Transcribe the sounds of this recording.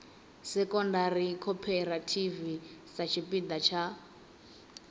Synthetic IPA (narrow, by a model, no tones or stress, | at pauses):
sɛkʼɔndaɾikʰɔpʰɛɾatʰivisat͡ʃʰipid̪at͡ʃʰa